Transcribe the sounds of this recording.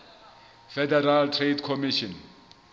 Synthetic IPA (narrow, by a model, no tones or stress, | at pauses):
fɛdɛraltʰredkʰɔmiʃɔn